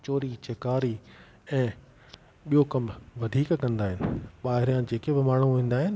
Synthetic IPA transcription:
t͡ɕoːɾit͡ɕekaːɾi | ɛ̃ː | ɓijokɐmʋɐd̪ʱiːkkɐ̃nd̪aːɦɪnɪ̆ɓaːɦɪɾijãd͡ʑeːkebɪmaːɳ̤uʋĩːn̆d̪aːɦɪnɪ̆

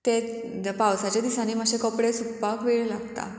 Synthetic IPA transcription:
t̪e | pawsat͡ɕjad̪isãniːmaɕekɔpɽesukpakʋeɭlaɡt̪a̰

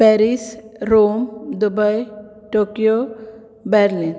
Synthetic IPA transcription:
pɛɾisɾomd̪ubəj | ʈokijo | bɛɾlin

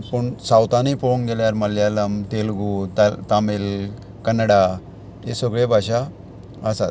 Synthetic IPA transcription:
pəɳsawt̪anipoŋɡeljaɾməljaləmt̪elɡut̪at̪amil | kənːəɽa | esəɡɭebʱaɕa | əsat̪

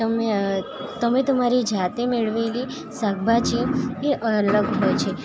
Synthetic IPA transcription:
t̪əme | t̪əmet̪əmaɾid͡ʒʱat̪emeɭʋeli | saɡ̚bʱat͡ʃieʔələɡɦojt͡ʃʰe

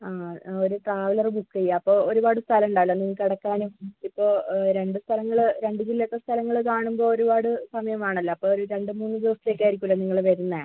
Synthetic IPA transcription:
aːoɾuʈraːʋɐlɐrbukːɐjːaːpːo̞ːoɾubaːɽɨst̪ʰɐlɐmuɳɖaːlːɐnːiŋːɐkːɐɽɐkːaːnuipːo̞ːɾe̞ɳɖɨst̪ʰɐlɐŋːɐɭɾe̞ɳɖɨd͡ʑilːɐt̪ːɐst̪ʰɐlɐŋːɐɭkaːɳumbo̞ːoɾubaːɽɨsɐmɐjɐmaːɳɐlːɐɐpːoːoɾuɾe̞ɳɖɨmuːnːɨd̪iʋɐst̪ːleːkːaːjiɾikʲːulːɐniŋːɐɭʋɐɾunːɐ

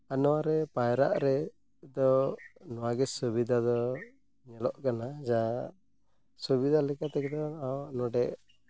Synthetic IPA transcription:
anɔwaɾɛpajɾa̰ʔɾɛ | d̪ɔnɔwaɡɛsubid̪ʱad̪ɔ | ɲɛlɔʔkanad͡ʒa | subid̪ʱalɛkat̪ɛkɛd̪ɔawnɔɖɛʔ

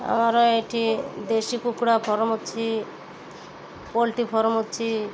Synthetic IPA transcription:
a̰maɾɔeʈʰid̪eʃikukɽapʰɔɾmot̪ːt͡ʃʰi | pɔlʈipʰɔɾmut̪ːt͡ʃʰi

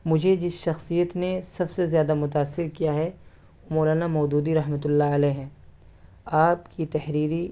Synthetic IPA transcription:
mʊd͡ʒʱed͡ʒɪsʃɐxsijət̪nesɐbsezjaːd̪amʊt̪̬aːsːɪɾkijaɦɛ | moːlaːnamɔːd̪uːd̪iɾɐɦmət̪̬ʊlːaɐlɛːɦɛ̃ː | aːpkit̪ɐɦɾiːɾi

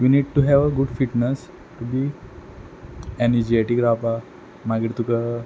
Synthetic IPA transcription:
ʋiniɖ̚ʈuɦɛʋəɡuɖfiʈnəs | ʈubi | ɛnid͡ʒieʈikɾapa | maɡiʈt̪ukə

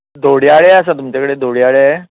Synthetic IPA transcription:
d̪ʱoɽjaɭeəsat̪umt͡ɕakəɽed̪ʱoɽjaɭe

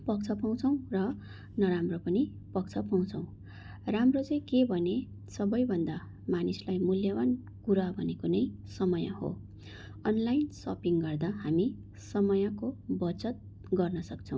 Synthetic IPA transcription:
pʌk̚t͡sʰʌpaw̃t͡sʰʌ̃w̃rʌ | nʌɾamropʌni | pʌk̚t͡sʰʌpaw̃t͡sʰʌ̃w̃ | ramrot͡sʌj̃kebʱʌne | sʌbʌjbʱʌnd̪a | manislajmuljʌwan | kuɾabʱʌnekonʌjsʌmʌja̰ho̰ | ʌnlajnsʌ̰piŋɡʌrd̪aɦami | sʌmʌjakobʌt͡sʌt̪̚ | ɡʌrnʌsʌk̚t͡sʰʌ̃w̃

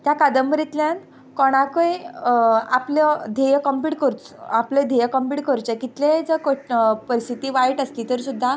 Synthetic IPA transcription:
t̪jakad̪əmbɾit̪ljãn | kɔɽ̃akəj | apləd̪ʱejəkəmpiʈkəɾt͡s | apled̪ʱejəkəmpiʈkəɾut͡sekit̪led͡zəkopəɾist̪ʰit̪iːʋaiʈəsliːt̪əɾsud̪ʱːa

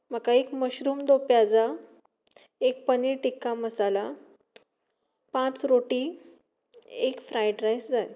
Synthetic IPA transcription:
m̤əkaekməɕɾuːmd̪opjad͡za | ek̚pəniʈikːaməsala | pãt͡sɾoʈiː | ekfɾajʈɾajsd͡zaj

